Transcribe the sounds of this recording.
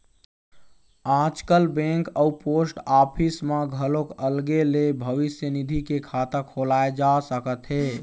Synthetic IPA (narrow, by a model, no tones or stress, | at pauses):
ãːd͡ʒkəlbẽŋkəupoːsʈaːpʰismãɡʱəlokəlɡelebʱəʋɪsjənid̪ʱikekʰaːt̪əkʰolaːed͡ʒasəkət̪ɦeː